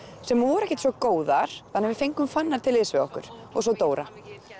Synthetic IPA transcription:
sɛmvɔɾɛhcːɪ̥ht̪svɔkoːwðaɾ̥θanːavɪfejŋkʏmfanːaɾ̥t̪ʰɪlɪsvɪɔhkʏ̰ɾ̥ɔ̰ɣsɔt̪oːwɾa

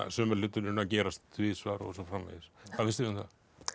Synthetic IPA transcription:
sœːmɛɾlʏt̪ːʏɾʏnacɛːɾast̪vɪːðsvaːɾɔ̰sɔfɾamlɛ̰jɪsʰaðfɪnst̪ɪɾmθa

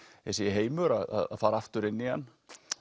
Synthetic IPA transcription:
ɛsɛjɪɦeːjmʏɾaða̰ða̰ðfaːɾaaft̪ʏɾɪnːɪanː

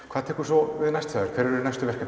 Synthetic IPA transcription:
kʰaːðt̪ʰɛhkʏ̥sɔvɪðnajst̪saːðʏɾ̥kʰvɛɾɛɾʏɾʏnajst̪ʏvɛr̥ka

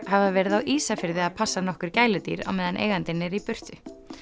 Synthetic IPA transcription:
hɛvavɛːɾɪðawʔiːsafɪɾðɪaðpʰasːanɔhkʏɾ̥caːjlʏt̪ḭːɾa̰wmɛːðanʔḛːjɣant̪ɪnːɪɾipʏr̥t̪ʏ

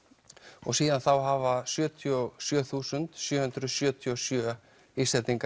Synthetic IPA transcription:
ɔ̰ɣsiːðanθawɦavasjœːt̪ʰiɔsjœːθuːsʏnt̪sjœːhʏnt̪ɾʏsjœːt̪ʰiɔsjœː | islɛt̪niŋka

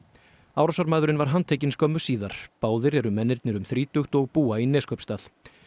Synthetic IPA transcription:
aːwɾasaɾmaːðʏɾɪnvaɾ̥ɦant̪ʰeːjcɪnskʰɔmːʏ̥siːðaɾ̥paːwðɪɾɛɾʏmːɛnːɪɾt̪nɪɾʏmθɾiːt̪ʏxt̪ɔɣpuːainɛːskʰœpst̪aːθ

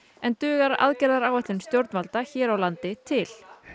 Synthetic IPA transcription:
ɛnt̪ʏːɣaɾa̰ðcɛɾðaɾaːwɛht̪lʏnst̪jowɾt̪nmalt̪açɛːɾawlant̪ɪt̪ʰɪl̥

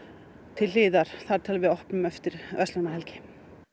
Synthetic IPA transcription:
t̪ʰɪliːðaɾ̥θaɾ̥t̪ʰaːlvɪðɔhpnʏmœft̪ɪɾ̥œst̪lanaɦɛlcɪ̥

